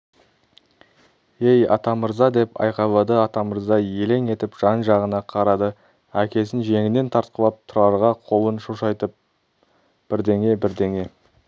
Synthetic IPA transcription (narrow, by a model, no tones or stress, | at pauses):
e̞jɑ̰t̪ɑməɾzɑd̪e̞pɑ̰jqɑlˠɑd̪əɑt̪ɑməɾzɑje̞le̞ŋe̞t̪ɪpʒ̥ɑnʒɑʁənɑqʰɑɾɑd̪ə | ækʲe̞sɪnʒe̞ŋɪne̞nt̪ʰɑɾt̪̚qəlˠɑp̚t̪ʰʊɾɑɾʁɑqʰo̞lˠənʃuʃɑjt̪əp̚ | b̥ɪɾd̪e̞ŋe̞bɪɾd̪eŋe̞